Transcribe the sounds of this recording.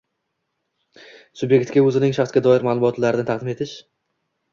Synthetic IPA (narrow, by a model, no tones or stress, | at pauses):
sʊbje̞kʲt̪ɡʲaɵzɪnɪŋʃaχsɡʲad̪ɒɪɾmalˠʊmʊɒt̪ʰlaɾɪɪt̪ʰɑqd̪ɪme̞t̪ʰɪʃ